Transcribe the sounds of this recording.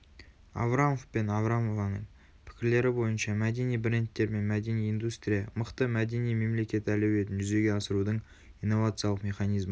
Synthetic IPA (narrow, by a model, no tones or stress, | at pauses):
a̰vɾamofpe̞navɾamovɑnəɴ | pʰɪ̥kʲɪɾle̞ɾɪbo̞jənʃɑmæd̪e̞nijbre̞nt̪ːe̞ɾme̞nmæd̪e̞nijind̪ust̪ɾʲijɑməqt̪əmæd̪e̞nijme̞mle̞kʲe̞t̪ɪælewe̞t̪ɪnʒʏze̞ɡʲe̞ɑsəɾud̪əɴ | ijnːo̞vat̪sɨijalˠəqmʲe̞χɑnijzmə